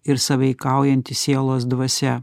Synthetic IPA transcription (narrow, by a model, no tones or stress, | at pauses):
ɪɾsɐʋʲɛɪkɑˑʊjɛnʲt̪ʲɪsʲiɛlˠoːsd̪ʋɐsʲɛ